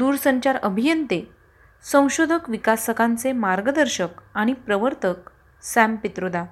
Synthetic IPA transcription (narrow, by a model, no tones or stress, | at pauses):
d̪uːɾsəɲt͡ɕaɾəbʱijənt̪e | sə̃w̃ɕod̪ʱəkʋikasʰəkʰãnt͡semaɾɡəd̪əɾɕəkaɽ̃ipɾəʋəɾt̪ək̚ | sæ̃mpit̪ɾod̪a